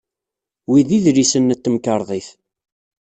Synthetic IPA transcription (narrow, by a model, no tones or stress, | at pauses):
wiðiðɾisənːət̪ːəmkəɾˤðˤiθ